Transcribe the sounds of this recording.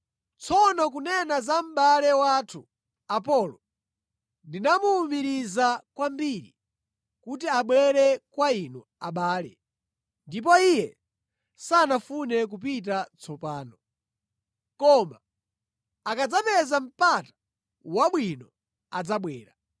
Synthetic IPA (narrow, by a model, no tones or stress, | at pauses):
t͡sʰɔnɔk̬unɛnazam̩ɓalɛwatʰu | ap̬ɔlɔ | ndinamuːmbiɾizakwambiɾḭ | kut̬iaɓwɛɾɛkwainu | aɓaːlɛ̰ | ndip̬ɔijɛ | sanafunɛk̬up̬it̬at͡sʰɔpaːnɔ | kɔma | akad͡zapɛzam̩patḁ | waɓwinɔ | ad͡zaɓwɛ̰ːɾa